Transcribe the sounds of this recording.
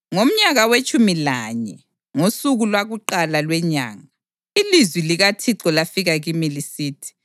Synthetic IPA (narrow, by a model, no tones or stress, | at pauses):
ŋom̩ɲaɣawet͡ʃʼumilaɲɛ | ŋosuɣulwaɣuǃalalwɛɲa̰ːŋa | ilizwiliɣatʰiǃɔlafiɣaɣimilisiːtʰi̥